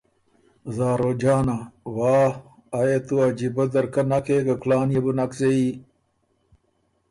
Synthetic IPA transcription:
zaːɾoːd͡ʑaːnawaː | jet̪uad͡ʑibɐd̪ɐɾkɐnɐkʰekɐklaːnjebunɐksei

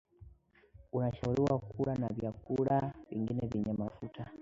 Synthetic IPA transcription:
unaʃauliwakuɾanaβjakuɺaviŋɡinɛviɲamafutʰa

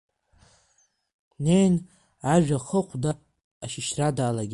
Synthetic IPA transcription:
nejn | aʒᶣaχəqʷʰdaː | ʃɪʃradaːlaɡʲ

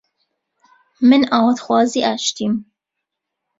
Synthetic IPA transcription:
mɪnaːwt̪xwɑːziːʔæʃt̪im

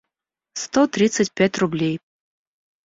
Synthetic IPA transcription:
st̪ɔt̪ɾɨt̪sət͡sʲpʲat͡sʲrublʲej

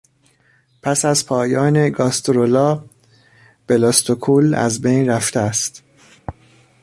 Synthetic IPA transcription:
pʰæsæzpʰɒːjɒːne̞ɡɒːst̪ʰoɾolɒː | b̥elɒst̪ʰokʰuːlæ̰zbejnɾæft̪eæst̪

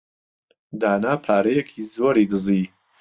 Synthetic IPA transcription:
d̪aːnaːpʰaːɾɐjɛkʰiːzoːɾiːd̪ɨziː

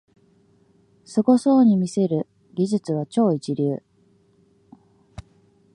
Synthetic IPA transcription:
sɨɡo̞so̞ːɲ̟imʲise̞ɾɯ̟ | ɡʲiʑɨt͡sɨβ̞at͡ɕo̞ːit͡ɕiɾʲɨː

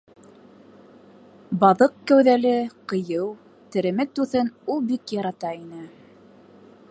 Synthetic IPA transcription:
bɑðɤqkæwðælɘqɤ̆jɤw | t̪ɘ̆ɾɘ̆mɘt̪ʉθɘnulˠbikjɑɾɑt̪ɑinɘ

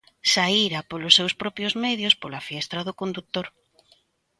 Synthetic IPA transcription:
saiɾapolʊsːewspɾɔpjozmɛðjospolafiɛst̪ɾɐðʊkond̪uk̚t̪oɾ

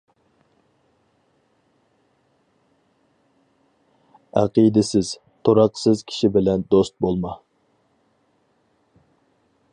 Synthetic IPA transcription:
æ̰qid̪ɪsɪz̥ | t̪ʰoɾɑqsɨzkʲʰi̥ʃibɪlɛnd̪ost̪̚bolˠmɑ

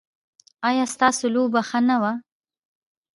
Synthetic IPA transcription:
ɑjɑst̪ɑsolobaxanawa

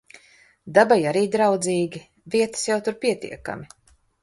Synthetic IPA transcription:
d̪abajaɾiːd̪ɾawd̪ziːɡʲi | viɛt̪ə̥sjawt̪uɾpʲiɛt̪ʲḭɛka̰mʲi

